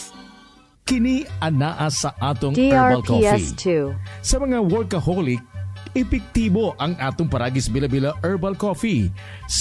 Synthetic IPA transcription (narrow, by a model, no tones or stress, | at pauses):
kɪniɐnaʔɐsɐʔaːt̪oŋɐlkofɛistʰusɐmɐŋawolkɐholɪk̚ɛpɪk̚t̪iːbo̞ʔɐŋaːt̪oŋpɐɾaːɡisbɪlɐbilɐʔɛɹbɐlkofi | s